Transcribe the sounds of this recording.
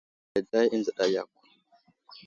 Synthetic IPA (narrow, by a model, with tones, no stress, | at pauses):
a˨da˦ji˦nza˨ɗa˨ja̰˨k̚ʷːu̥˨